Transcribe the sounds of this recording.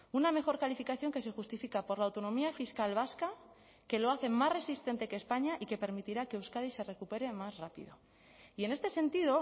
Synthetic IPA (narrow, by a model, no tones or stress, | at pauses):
uname̞xo̞ɾkalifikaθjo̞ŋke̞se̞xust̪ifikapo̞ɾlawt̪o̞nomiafiskalβ̞aska | ke̞lo̞aθe̞masre̞sist̪e̞nt̪e̞keːspaɲaʔike̞pe̞ɾmit̪iɾake̞uskaðise̞re̞kupe̞ɾe̞mazrapḭðo̞̰ | ie̞ne̞st̪e̞se̞nt̪iðo̞